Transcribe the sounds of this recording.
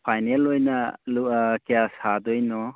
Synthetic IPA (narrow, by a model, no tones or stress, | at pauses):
pʰajnelojnɐlukeasadɔjnɔ